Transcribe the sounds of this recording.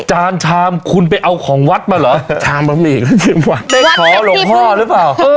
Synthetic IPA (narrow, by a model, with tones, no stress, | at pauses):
t͡ɕaː˧nt͡ɕʰaː˧mkʰu˧np̬a˧jʔa˧wkʰɔː˩˦ŋwa˦˥t̪̚maː˧lɔː˩˦t͡ɕʰaː˧mba˧miː˧˨˩ka˥˩t͡ɕʰɯ˨˩mwa˨˩tkʰɔː˨˦lo˨˦mhɔː˥˩ɾɯ˦˥paː˨˩w